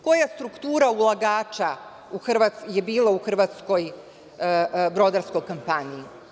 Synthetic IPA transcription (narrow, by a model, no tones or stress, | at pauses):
ko̞jast̪ɾukt̪uːɾaulˠaɡaːt͡ʃa | uxrʋat̪sjebiːlauxr̩ʋat̪sko̞j | bɾo̞d̪aɾsko̞jkompaɲii